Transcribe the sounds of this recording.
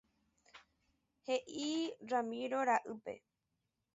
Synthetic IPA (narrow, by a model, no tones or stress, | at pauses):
he̞ʔiɾamĩɾoɾaʔɨpe̞̰